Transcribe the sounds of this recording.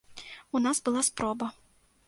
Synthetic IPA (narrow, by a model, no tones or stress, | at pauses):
unazbɨlˠaspɾɔbɐ